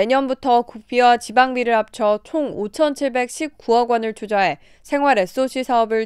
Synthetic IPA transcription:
eɲʌnbutʰʌkuk̚p͈iwat͡ɕibaŋbiɾɯɭap̚t͡ɕʰʌt͡ɕʰoŋot͡ɕʰʌnt͡ɕʰiɭbe̞k̚ɕ͈ʰip̚k͈uʌɡwʌnɯɭt͡ɕʰud͡ʑaɦe̞ | sʰe̞ŋɦwaɾe̞s͈oɕ͈ʰisʰaʌbɯɭ

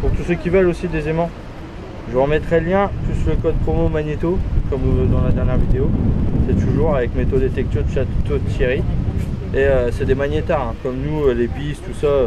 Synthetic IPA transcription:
puʁt̪usəkʲivœlosid̪ezemɑ̃ | ʒəəmɛt̪χɛljɛ̃t̪usyləkɔd̪̚pχɔmomaɲet̪okɔmuvd̪ɑ̃lad̪ɛʁnjɛʁvid̪eosɛt̪uʒuʁavɛkmet̪od̪et̪ɛk̚t̪yʁd̪əʃat̪ot̪jeʁi | eøsɛd̪emaɲjet̪ɛʁɛ̃kɔmnuølebist̪usaø

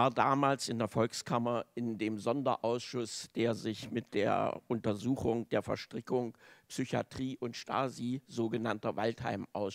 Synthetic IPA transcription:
aːɐdaːmaːlsɪndeːɐfɔlkskʰamɐɪndeːmzɔndɐ̰ʔaʊsʃʊsd̥eːɐzɪçmɪt̚d̥ḛːɐ̰ʔʊntɐzuːxʊŋd̥eːɐfɛ̰ɐʃtʁ̥ɪkʊŋpsyça̰tʁ̥iːʔʊntʃta̰ːzizoːɡənantɐvaltha̰ɪmʔa̰ʊs

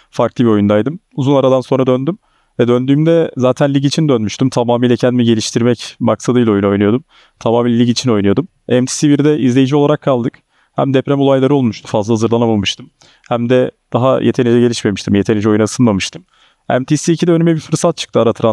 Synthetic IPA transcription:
faɾklˠɯbio̞jund̪ajd̪ɯmuzunaɾad̪anso̞nɾad̪ønd̪ym | vɛd̪ønd̪yːmd̪ɛzaːt̪ʰænlʲiɟit͡ʃʰind̪ønmyʃt̪ymt̪ʰamaːmiːlʲɛcʰænd̪imiɟe̞lʲiʃt̪ʰiɾmɛcmaksad̪ɯjlʲojuno̞jnujo̞d̪um | t̪ʰamaːmiːlʲlʲiɟit͡ʃʰino̞jnujo̞d̪um | ɛmt̪ʰi̥sibiɾd̪ɛʔizlʲe̞jid͡ʒiolˠaɾakʰːalˠd̪ɯk | hæ̰md̪ɛpɾɛmo̞lˠajlˠaɾɯo̞lˠmuʃt̪ʰumfazlˠahazɯɾlˠanabulˠmɯʃt̪ʰɯm | hæmd̪ɛd̪̥aɦajʔet̪ʰe̞nid͡ʒɛɟe̞lʲiʃme̞miʃt̪ʰimje̞t̪ʰenid͡ʒɛo̞junasɯnmamɯʃt̪ʰɯm | ɛ̰mt̪ʰisiːcʰid̪ɛønymɛbiɾfɯɾsat̪̚t͡ʃʰɯ̥k̚t̪ʰɯaɾat̪ʰɯɾa

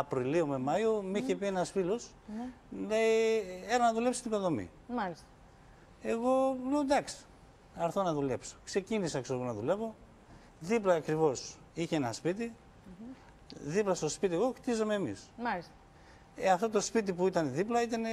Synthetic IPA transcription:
ɐpɾiliumemɐiumiçepie̞nɐsfilo̞s | le̞ieɾɐnɐðulepsi̥t̪iɡo̞nðo̞mḭ | malis | e̞ɣo̞leod̪ɐks | ɐɾθo̞nɐðule̞pso̥kse̞cinisɐksoɣonɐðule̞vo̞ | ðiplɐːkɾivo̞s | içeenɐspit̪i | ðiplɐst̪o̞spit̪ieɣo̞xt̪izo̞meːmḭsalisɐ | eɐft̪o̞t̪o̞spit̪̬ipuit̪ɐneðiplɐit̪ɐne

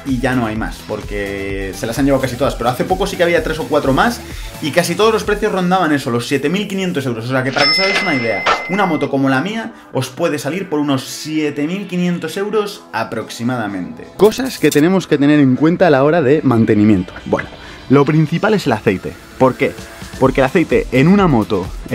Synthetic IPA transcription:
iʝano̞ajma̰spo̞ɾke̞se̞lasaɲʝeawkasit̪o̞ðaspeɾo̞aθe̞po̞ko̞sike̞aβ̞iat̪ɾe̞so̞kwat̪ɾo̞mas | ikasit̪o̞ð̞o̞zlo̞spɾe̞θjo̞zro̞nd̪aβane̞so̞lo̞sːje̞t̪e̞milkinjent̪os̬e̞wɾos̬ose̞ake̞paɾake̞saɣajsunaið̞e̞a̰unamo̞t̪o̞ko̞mo̞lamia | o̞spwe̞ðe̞saliɾpo̞ɾuno̞sːjet̪e̞milkinje̞nt̪o̞se̞wɾo̞s | apɾo̞ksimaðamẽ̞nt̪e̞̰ko̞saske̞t̪e̞nẽ̞mo̞ske̞t̪e̞ne̞ɾe̞ŋkwe̞nt̪aːlao̞ɾaðe̞mãnt̪e̞nĩmjẽ̞nt̪o̥bwe̞̰no | lo̞pɾin̟θipale̞se̞laθe̞jt̪e̞̰ | po̞ɾke̞ | po̞ɾke̞laθe̞jt̪e̞ʔenunamo̞t̪o̞

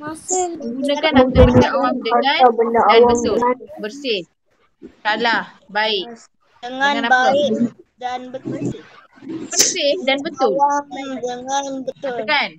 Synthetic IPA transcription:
ɡunəkanat̪abəndaawaŋdəaaabəndaʔawabəŋt̪ʊlabərsɪh | kalah | baɪk | dəŋaanaaadanbət̪ʊ | bərsɪhdanbət̪ʊldəŋabət̪kan

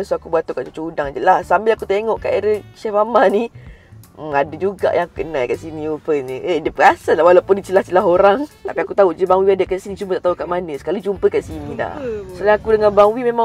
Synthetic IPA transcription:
soakubat̪ukaʔt͡ʃot͡ʃəudaŋd͡ʒəlahsambɪlakut̪eŋɔʔkaʔeɾəʃafamani | əŋadəd͡ʒuɡa̰ʔjãŋaku̥kənajkaʔsinĩufənɲəʔedəpəkasalahwalawpʊndit͡ʃəlaht͡ʃəlaɦoɾaŋt̪apiakut̪aud͡ʒəbaŋwiadəkaʔsinĩt͡ʃumət̪aʔt̪aukaʔmanə̃sə̥kalid͡ʒumpəkaʔsinida̰hsolaakudəŋãnbaŋwimema

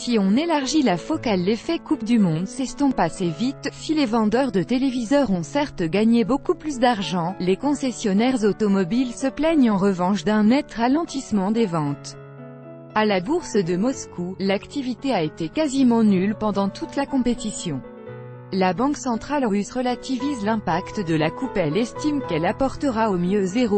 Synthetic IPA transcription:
siɔ̃nelaʁʒilafɔkalːefɛkup̚d̪ymɔ̃d̪sɛst̪ɔ̃pasevit̪silevɑ̃d̪œʁd̪ət̪elevizœʁɔ̃sɛʁt̪ɡaɲebokuplys̬d̪aʁʒɑ̃lekɔ̃sɛsjɔnɛʁzot̪ɔmɔbilsəplɛɲɑ̃ʁəvɑ̃ʃd̪ɛ̃nɛt̪ʁalɑ̃t̪ismɑ̃d̪evɑ̃t̪ | alabuʁsd̪əmɔskʰulakt̪ivit̪eaet̪ekazimɑ̃nylpɑ̃d̪ɑ̃t̪ut̪lakɔ̃pet̪isjɔ̃ | labɑ̃ksɑ̃t̪χalʁysʁəlat̪ivizlɛ̃pakt̪d̪əlakupɛlɛst̪imkɛlapɔʁt̪əʁaomjøzeʁo

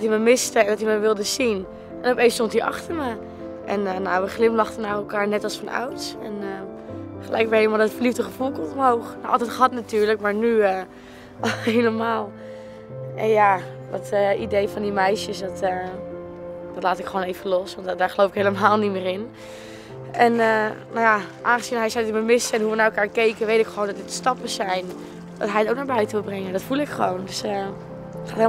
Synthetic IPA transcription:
dɔtiməmɪstəɛndɔtiməʋɪlˠdəzin | ʔɛnopejnstɔntiʔɑ̰χtəɹmə | ʔɛ̰nənowʋəχlɪmlɑχtənaːrɛlˠkaːɹnɛtɑlˠsfɑnʔa̰wtsɛ̰nəχəlʔɛ̰jkʋɛhelmalˠdɔtfərlifdəχəfulˠkomɦowχnaʔɑ̰lˠtɛtχɦɑtnatyːɹləkmaːɹnyə | hejləmaːlˠ | ɛnjadɔtəidejfɑndimɛjʃəsdtə | d̥ɑtlaːtɪkχəʋoːnejvəlɔsʋɑntdaːɹχəlowfɪkɦejləmaːlˠnimɪːɾɪn | ɛnənowjaʔaːnχəzinɦɛjsɛjdiməmɪsəɛnɦuʋənaːɛlˠkaːɹkejkəʋejtɪkχəʋowndɔdɪtstɑpəsɛjn | d̥ɑtɦɛjətowknaːɹbœɥtəʋɪlˠbrɛŋədɔtfulˠɪkχəʋowndøsə | χaːth

